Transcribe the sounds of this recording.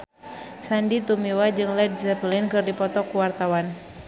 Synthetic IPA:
sandit̪umiwad͡ʒɨŋlɛd̚zɛpəlɪnkɨrdipɔt̪ɔkuwart̪awan

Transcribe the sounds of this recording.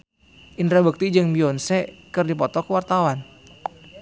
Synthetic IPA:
ʔinɾabək̚t̪id͡ʒɨŋbiɔnsɛkɨrdipɔt̪ɔkəwart̪awan

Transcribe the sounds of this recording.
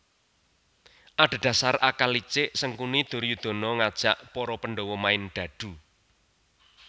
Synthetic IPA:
ʔaɖ̥a̤d̥̪a̤sarakalit͡ʃɪʔsəŋkunid̪̥ʊ̤ɾjud̪̥o̤nɔŋad̥ʒ̥aʔpɔɾɔpənɖowɔmaɪnɖ̪̥ä̤d̪̥ṳ

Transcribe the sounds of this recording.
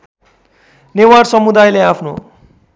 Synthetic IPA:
newarsʌmud̪ajleapʰno̰

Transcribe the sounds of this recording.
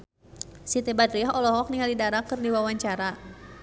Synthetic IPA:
sit̪ebadɾiaɦɔlɔɦɔk̚niŋalidaɾakɨrdiwawaɲt͡ʃaɾa

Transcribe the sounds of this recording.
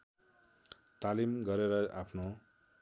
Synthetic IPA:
t̪alimɡʌɾeɾʌʔapʰno

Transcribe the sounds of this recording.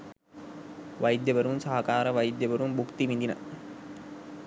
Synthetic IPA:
ʋajid̪jəʋəɾunsɐɦɐkaːɾəʋajid̪jəʋəɾumbukt̪iʋind̪inə̰

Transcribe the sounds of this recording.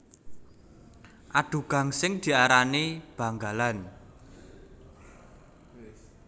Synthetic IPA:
ʔaɖ̪̥ṳɡ̥a̤ŋsɪŋd̪̥i̤aɾaneb̥ä̤ŋɡa̤lan

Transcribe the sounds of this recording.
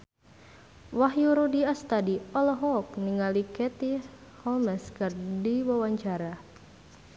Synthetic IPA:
waɦjuɾudiast̪adiɔlɔɦɔk̚niŋalikɛt̪ihɔlmɛskərdiwawaɲt͡ʃaɾa

